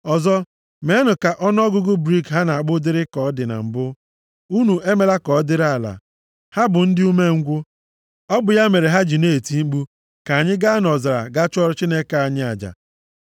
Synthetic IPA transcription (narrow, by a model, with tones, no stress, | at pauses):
ɔ˨zɔ˦ | me˦nʊ˨ka˨ʔɔ˦n˦ɔ˦ɡʊ˦ɡʊ˦bɾi˦kɦa˦na˨a˨ɡ͡bʊ˦dɪ˦ɾɪ˦kɔ˨˦dɪ˨na̰˨m̩˨bʊ˦ | u˦nu˨e˦me˨la˦kɔ˨˦dɪ˦ɾa˨la̰˨ | ha˦bʊ˨n̩˦dɪ˦u˦me˦ŋ̩˦ɡʷʊ˦ | ɔ˦bʊ˨ja˦me˨ɾe˨ɦa˦d͡ʒi˨neː˦˨ti˦ŋ͡m̩˦ɡ͡bu˦ | ka˨a˨ɲɪ˦ɡa˦a˦nɔ˨za˨ɾa̰˨ɡa˦t͡ʃɔ˦ɾt͡ʃi˦ne˦ka˨a˨ɲɪ˦a˨d͡ʒa̰˨